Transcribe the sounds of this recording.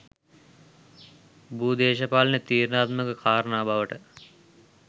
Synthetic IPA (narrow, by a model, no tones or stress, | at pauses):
buːd̪eːʃɐpaːlɐnet̪iːɾnaːt̪məkəkʰaːɾənaːbʱaʋəʈə